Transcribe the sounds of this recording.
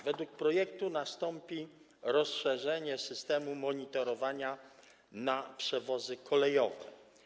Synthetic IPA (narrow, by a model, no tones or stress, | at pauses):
vɛd̪wuk̚pɾɔjɛk̚t̪unast̪ɔmpʲi | ɾɔsʂɛʐɛɲɛsɘst̪ɛmumɔɲit̪ɔɾɔvaɲa | napʂɛvɔzɘkʰɔlɛjɔvɛ